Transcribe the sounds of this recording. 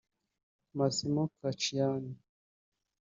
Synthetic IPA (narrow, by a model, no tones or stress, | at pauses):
masimɔkat͡ʃiani